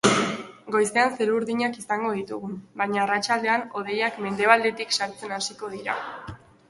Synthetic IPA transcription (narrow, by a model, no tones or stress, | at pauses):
ɡo̞jse̞anse̞ɾuɾðiɲakisaŋɡo̞ð̞it̪uɣumbajɲaːrat͡ʃald̪e̞ano̞ð̞e̞jakme̞nd̪e̞βald̪e̞t̪iksaɾt͡se̞nasiko̞ð̞iɾa̰